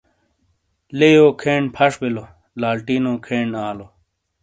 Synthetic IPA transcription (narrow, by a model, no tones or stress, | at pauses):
lejoːkʰeːɳpʰɐʂbilo | laːlʈiːnokʰeːɳaːlo